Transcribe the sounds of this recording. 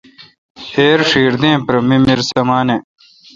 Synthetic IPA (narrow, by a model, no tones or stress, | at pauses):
heːɾʂiːɾd̪ẽːpɾɐmimiɾsɐmaːne